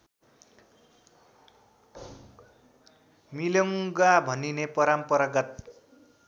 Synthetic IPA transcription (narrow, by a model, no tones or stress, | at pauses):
milʌŋɡabʱʌninepʌɾampʌɾʌɡʌt̪̚